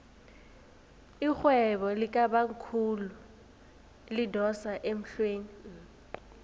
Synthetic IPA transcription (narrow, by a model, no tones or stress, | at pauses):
ik͡xwɛβɔlɪkʼabaŋ̩kʰulu | lɪdɔsaʔem̩ɬweːni